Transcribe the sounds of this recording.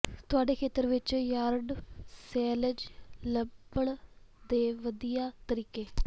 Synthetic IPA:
t̪ʊaːɖeːkʰeːt̪əɾʋɪt͡ʃjaːɾɖsɛːləd͡ʒləbəɭ | d̪eːʋəd̪ijaːt̪əɾiːkeː

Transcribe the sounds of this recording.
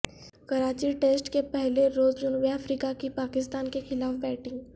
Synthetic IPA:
kəɾat͡ɕiːʈesʈkepəɦleɾoːd͡zlunʋeafɾikakipakɪst̪ankekʰɪlaːfbɛʈɪ̃ŋɡ

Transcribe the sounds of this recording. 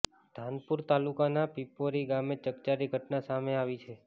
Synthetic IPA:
d̪ʱanpuɾt̪alukanapipoɾiɡamet͡ʃəkt͡ʃaɾiɡʱəʈnasameaʋit͡ʃʰe

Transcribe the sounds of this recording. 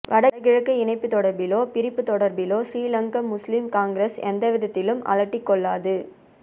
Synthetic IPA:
ʋɐɽɐɐɣɪɻɐkːɯɪɳɐɪpːɯt̪ːɔɽɐɾbɪloːpɪɾɪpːɯt̪ɔɽɐɾbɪloːsɾiːlɐŋɡɐmːʊslimkaːŋɡɾɐsɛ̰nd̪ɐʋɪðɐt̪ːɪlɯmɐ̰lɐʈːɪkːɔɭːaːðɯ

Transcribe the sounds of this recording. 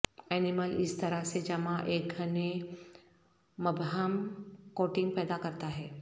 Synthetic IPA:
ɛːniməlɪst̪ɐɾased͡ʒɐmãʔeːk̚ɡʱəne | mɐbɦamkoːʈɪ̃ŋɡ̚pɛːd̪akəɾt̪aɦɛː

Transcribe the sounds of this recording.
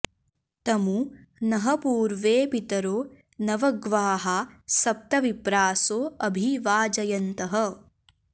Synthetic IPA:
t̪ɐmu | nɐɦɐpuːɾʋeːpit̪ɐɾoː | nɐʋɐɡʋaːɦasɐp̚t̪ɐʋipɾaːsoːɐbʱiʋaːd͡ʒɐjɐnt̪ɐɦɐ̆

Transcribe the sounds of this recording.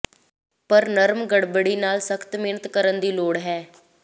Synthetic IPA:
pəɾnəɾmɡəɽbəɽiːnaːlsəkʰt̪meːnət̪kəɾənd̪iːloːɽɦɛː

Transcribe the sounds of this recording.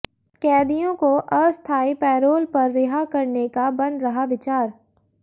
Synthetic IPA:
kɛːd̪ijõkoʔɐst̪ʰaːipɛːɾoːlpɐɾːɪɦakɐɾnekabɐ̃nɾɐɦaʋɪt͡ʃaːɾ

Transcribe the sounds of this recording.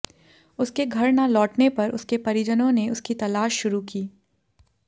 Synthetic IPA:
ʊskeɡʱɐɾnalɔːʈnepɐɾʔʊ̰skepɐɾɪd͡ʒənõneʊskit̪ɐlaːʃːʊɾukiː

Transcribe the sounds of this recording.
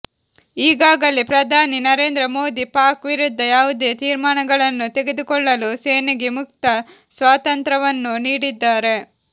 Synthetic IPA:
iːɡaːɡɐlipɾɐd̪ʱaːninɐɾe̞ːnd̪ɾɐmoːd̪ipaːkʋiɾud̪ʱːɐjaːʋud̪e̞ːt̪iːɾmaːɳɐɡɐɭɐnːut̪e̞ɡed̪ukɔɭːɐluseːnɐɡemuk̚t̪ɐ | sʋaːt̪ɐnt̪ɾɐʋɐnːuniːɽid̪ːaːɾe̞

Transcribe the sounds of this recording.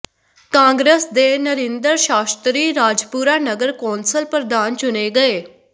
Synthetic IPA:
kãːŋɡɾesd̪eːnəɾɪ̃nd̪əɾʃaːst̪ɾiːɾaːd͡ʒpuːɾaːnəɡəɾkɔ̃ːnsəlpɾəd̪aːnt͡ʃʊneːɡəeː

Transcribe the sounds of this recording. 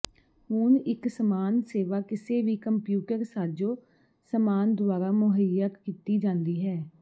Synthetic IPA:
hunɪksəmaːnseːʋaːkɪseːʋiːkəmpjuːʈəɾsaːd͡ʒoː | səmaːnd̪waːɾaːmʊɦəjək̪kiːt̪iːd͡ʒãːnd̪iːɦɛː

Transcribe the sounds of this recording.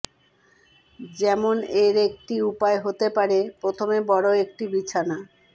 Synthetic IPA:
d͡ʑɛmoneɾek̚ʈiupaeɦot̪epaɾepɾot̪ʰomebɔɽoek̚ʈibit͡ɕʰana

